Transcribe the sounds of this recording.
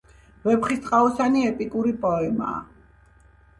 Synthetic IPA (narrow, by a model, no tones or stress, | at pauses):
vɛpχist̪ʼqʼaɔsaniɛpʼikʼuɾipʼɔɛma̰ː